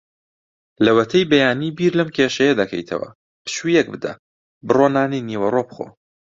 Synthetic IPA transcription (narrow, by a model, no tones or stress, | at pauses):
lɐwɐt̪ʰɐjbɐjaːniːbiːɾlɐmkʲʰeːʃɐjɐd̪ɐkʰɐ̰jt̪ʰɐ̰wɐ̰ | pɨ̥ʃujɛk̚bɨd̪ɐ̰ | bɨroːnaːnijniwɐroːpχo̰ː